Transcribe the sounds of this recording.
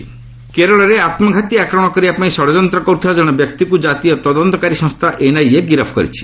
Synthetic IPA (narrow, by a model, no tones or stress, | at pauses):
keɾɔɭɔɾeat̪mɔɡʱat̪iakɾɔɽ̃ɔkɔɾibapãĩsɔɽɔd͡ʒɔnt̪ɾɔkɔuɾt̪ʰiɔd͡ʒɔɽ̃ɔbjɔk̚t̪ikud͡ʒat̪iɔt̪ɔd̪ɔnt̪ɔkaɾisɔ̃ŋst̪ʰaʔenajeɡiɾɔpʰɔ̥kɔ̰ɾḭt͡ʃʰi̥